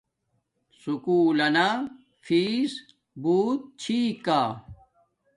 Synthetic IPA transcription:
sukuːlɐna | fiːs | buːt̪̚t͡ɕʰikaː

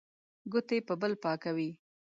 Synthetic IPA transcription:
ɡʊt̪epəbəlpɑkawi

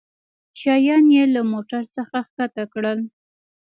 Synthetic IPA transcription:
ʃɑjɑnjelamoʈaɾsəxaxkat̪akɽəl

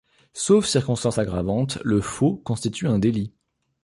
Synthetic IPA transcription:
sofsiʁkɔ̃st̪ɑ̃saɡʁavɑ̃t̪ləfokɔ̃st̪it̪ʰyɛ̃d̪eli

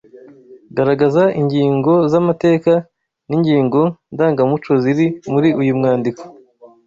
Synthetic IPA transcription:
ɡaɾaɡazaʔiɲɟiːŋɡo̞zamate̞ːka | niɲɟiːŋɡo̞ndaːŋɡamut͡ʃoziɾimuɾiʔujumŋaːndiko̥

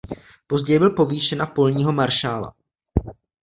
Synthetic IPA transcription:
po̞zɟɛjɛbɪlpo̞viːʃɛnapo̞lɲiːɦo̞maɾʃaːla̰

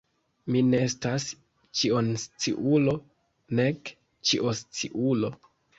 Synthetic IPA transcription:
mineestas | t͡ʃionst͡sḭʔulo̞ | ne̞k | t͡ʃiʔost͡siʔulo̞

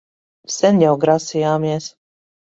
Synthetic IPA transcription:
sɛnjawɡɾasijaːmiɛs

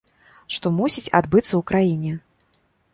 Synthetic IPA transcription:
ʂt̪ɔmusʲit͡sʲa̰d̪bɨt̪sːɐukɾajinʲɛ

